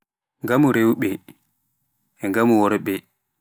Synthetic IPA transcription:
ŋɡamuɾewɓɛ | ɛŋɡamuwɔɾɛɓɛ

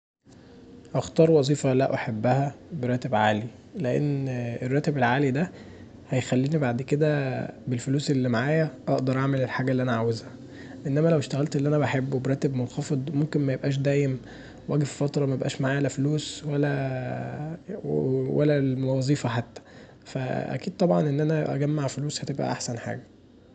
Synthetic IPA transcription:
ʔɑxt̪ɑːɾˤwɑzˤiːfɑlæʔaħebːæhæbeɾˤɑːt̪ebʕaːli | leʔḛnːerˤːæːt̪ebelʕaːlid̪æ | hæjxælːiːnibaʕd̪ked̪æbelfoluːselːimaʕaːjæʔɑʔd̪ɑɾˤʔaʕmelelħaːɡælːiʔænæʕawezhæ | ʔenːæmælæweʃt̪æɣælt̪elːʔænæbæħebːbɾˤæːt̪ebmonxɑfed̪ˤmomkenmæjebʔæːʃ̬d̪æːjem | wʔæːɡeffɑt̪ɾˤɑmæjebʔæ̰ːʃmaʕaːjælːæfluːswælːæ | wæ̰lːæmɑzˤiːfɑħat̪ːæ̥ | fæ̰ʔæ̰kiːd̪̚t̪ˤɑbʕɑnʔenːʔænæʔæ̰ɡæmːaʕfoluːshæt̪ebʔæ̰ʔa̰ħsænħa̰ːɡæ

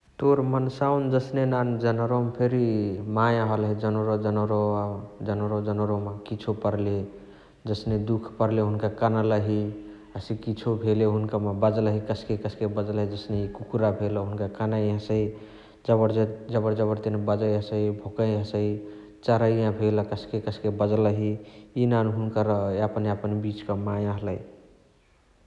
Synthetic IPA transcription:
t̪oɾmənsaund͡ʒəsnenand͡ʒənəɾompʰeɾimajãɦəlɦɛd͡ʒənoɾod͡ʒənoɾoad͡ʒənɾod͡ʒənoɾomakit͡ʃʰopəɾle | d͡ʒəsned̪ukʰpəɾleɦunkakanaləɦi | əsikit͡ʃʰobʱeleɦunkamabəd͡ʒlɦikəskekəsʰkebəd͡ʒlɦid͡ʒəsneikukuɾabʱelɦunkakanajɦəsəi | d͡ʒəbəɾd͡ʒəbəɾd͡ʒəbəɾt̪enebəd͡ʒəjəsəibʱokə̃jɦəsəi | t͡ʃaɾəjãbʱeləkəskekəskebəd͡ʒləɦiinanɦunkaɾəapəneapənbit͡ʃkəmãjəɦləj

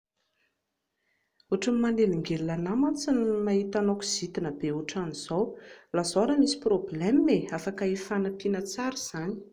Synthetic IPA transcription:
uʈ͡ʂamimaneliŋɡelilanamat͡sinimaɦit̪anokuz̥it̪inəbeuʈ͡ʂaniz̥awlazoɾamisi̥problɛmmeafakaifanapinət͡saɾiz̥ani̥

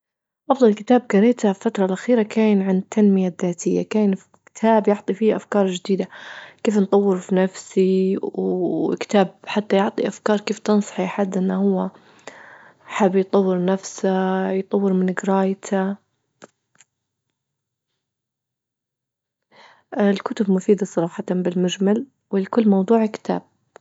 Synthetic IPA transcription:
ʔɑfðˤɑlkɪt̪aːb̚kɑɾeːt̪afat̪ɾˤɑlʔaxiːɾakaːjnʕant̪ʰːanmɪjaðːaːt̪ʰɪjːa̰kaːjnfikɪ̥t̪ʰaːbjʊʕt̪ˤifiːʔafkɑːɾˤd͡ʒɪd̪iːd̪akeːfnt̪ˤɑwːɪɾfinafsiwkt̪aːbħat̪ːajʊʕt̪ˤiʔafkɑːɾˤkeːft̪ɨnsˤɑ̥ħiħad̪ːʔɪnːahʊwːa | ħabːjt̪ˤɑwːɪɾnafsajt̪ˤɑwːɪɾmɪnɪɡɾɑːjt̪ʰa | lkʊt̪ʊbmʊfiːd̪asˤɑɾˤɑːħɑt̪anbɪlmʊd͡ʒmal | wɪlkʊlːmɑwd̪ˤuːʕkɪ̥t̪ʰa̰ːb̥̚

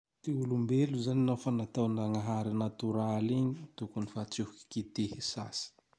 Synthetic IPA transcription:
t̪eulumbeluzaninafanat̪awnaŋaɦaɾinat̪uɾaliɲit̪ukunifat͡sihuki̥kit̪ehisasi̥

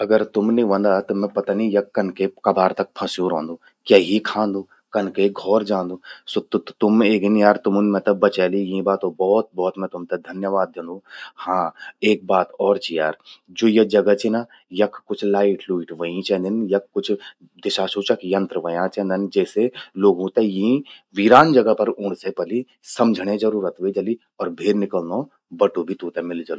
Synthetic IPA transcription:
ɐɡəɾt̪ʊmniʋɐ̃nd̪at̪omɛ̃pɐt̪anijɐkːɐnkekɐbaːɾt̪ɐk̚pʰɐ̃sjuːɾõːnd̪uː | kjaːɦikʰãːnd̪uː | kɐnkeɡʱɔːɾd͡ʒãːnd̪uːsʊt̪t̪ʊmeːɡinjaːɾt̪ʊmʊnmɛ̃t̪ɐbɐt͡ʃɛːlijĩbaːt̪obɔːt̪̚bɔːt̪mɛ̃t̪ʊmt̪ɐd̪ʱɐnjəʋaːd̪ɐ̃nd̪uːhãːeːk̚baːt̪ɔːɾt͡ʃʰijaːɾd͡ʒoːjɐd͡ʒɐɡət͡ʃina | jɐkʰkːʊt͡ʃʰlaːɪʈluːʈʋəĩt͡ʃɛ̃nd̪ɐnjɐkːʊt͡ʃʰ | d̪ɪʃaːʃuːt͡ʃɐkjɐ̃nt̪ɾəʋɐjãt͡ʃɛ̃ːnd̪ɪnd͡ʒɛːseloːɡũːt̪ejɐĩʋiɾaːnd͡ʒɐɡəpɐɾʊ̃ɽ̃sepɐli | sɐmd͡ʒʱɽed͡ʒɐɾuːɾət̪ʋed͡ʒɐli | ɔːɾbʱeːɾnɪkəlno | bɐʈubʱit̪ũːt̪emɪld͡ʒɐlo

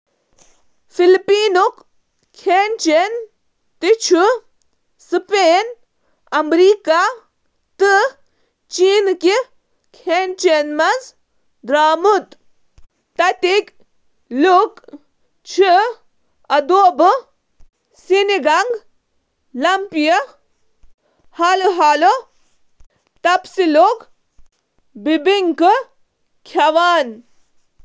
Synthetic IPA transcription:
filpiːnuk | kʰent͡ʃen | t̪it͡ʃʰu | sɨpeːn | ɐmɾiːka | t̪ɨ | t͡ʃiːnki | kʰent͡ʃenmɐz | d̪ɾaːmut̪ | t̪ɐt̪ik | luk | t͡ʃʰi | ɐd̪oːbɨ | siniɡɐŋɡ | lɐmpijɐ | haːloɦaːlo | t̪ɐpsilok | bibiŋkɨ | kʰɐʋaːn

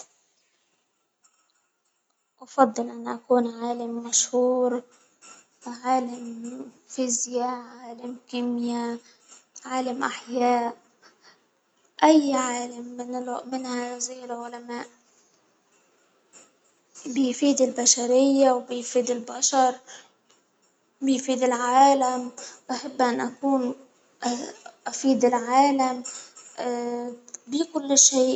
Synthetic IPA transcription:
ʔɑfɑd̪ˤːɨlʔanːaʔakuːnʕaːlamːaʃhuːɾ | ʕaːlam | fɪzjaʕaːlamkɪmja | ʕaːlamʔaħjaːʔ | ʔajːʕaːlamːɪnɪmɪnhajziːɪlʕʊlamaːʔ | bɪjfiːd̪ɪlbaʃaɾɪjːawbɪjfiːd̪ɪlbaʃɑɾˤ | bɪjfiːd̪ɪlʕaːlamʔaħabːʔanːʔakuːn | ʔafiːd̪ɪlʕaːlam | bikʊlːʃeːʔ

